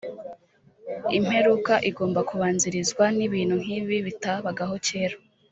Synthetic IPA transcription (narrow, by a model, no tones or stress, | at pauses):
im̥he̞ɾukaʔiɡo̞ːmbakuβaːnziɾizɡwaniβiːn̥huŋ̥iβiβitaβaɡaɦo̞ceːɾo